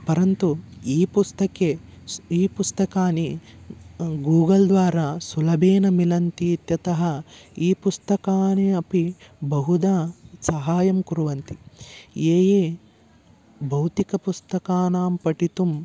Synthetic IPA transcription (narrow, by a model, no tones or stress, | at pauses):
pɐɾɐnt̪uiːpust̪ɐke | iːpust̪ɐkaːni | ɡuːɡɐld̪ʋaːɾasulɐbʱeːnɐmilɐnt̪it̪jɐt̪ɐɦɐiːpust̪ɐkaːneɐpibɐɦud̪asɐɦaːjɐmkuɾuʋɐnt̪ieːjeː | bɐwt̪ikɐpust̪ɐkaːnaːmpɐʈit̪um